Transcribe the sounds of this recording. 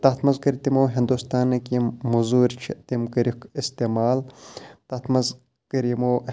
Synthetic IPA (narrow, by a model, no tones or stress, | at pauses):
t̪ɐt̪mɐzɡɐɾt̪imoːɦind̪ust̪aːnɐkimmuzuːɾt͡ʃʰit̪imkɐɾikist̪emaːlt̪ɐt̪ʰmɐz | kɐɾimo